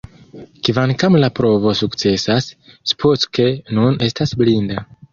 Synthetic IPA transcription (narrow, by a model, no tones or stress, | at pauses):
kivankamlapɾo̞vo̞sukt͡se̞sasspʰotke̞nune̞stasblinda